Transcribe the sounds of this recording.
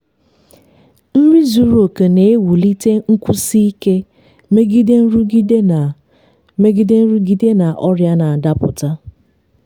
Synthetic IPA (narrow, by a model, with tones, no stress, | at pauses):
n̩˦ɾi˦zu˨ɾo˨ke˨ne˨e˦wu˨li˦te˦ŋ̩˦kʷʊ˦si˦i˦ke˦ | me˦ɡi˦de˦n̩˦ɾ | me˦ɡi˦de˦n̩˦ɾu˦ɡi˦de˦na˨ʔɔ˦ɾja˦na˨a˨da˦pʊ̰˨ta˦